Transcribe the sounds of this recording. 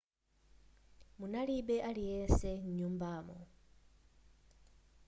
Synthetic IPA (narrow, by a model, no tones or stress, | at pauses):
munalibeʔalijeːnseɲɲuːmbamo̰